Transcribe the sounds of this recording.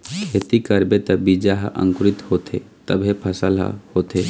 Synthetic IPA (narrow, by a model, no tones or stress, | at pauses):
kʰet̪ikəɾbet̪ɔbid͡ʒaɦʔə̰̃ŋkɾit̪hot̪ʰḛ | t̪əbʱɦepʰəsəla̰hot̪e